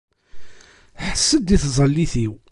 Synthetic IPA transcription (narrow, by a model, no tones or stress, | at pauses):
ħə̥sːəd̪iθzˤəlːiθiw